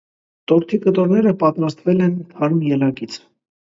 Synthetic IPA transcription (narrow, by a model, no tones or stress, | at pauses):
t̪ɔɾt̪ʰikət̪ɔɾnɛɾəpɑt̪ɾɑst̪vɛlɛnhɑɾumjɛlɑɡit͡sʰ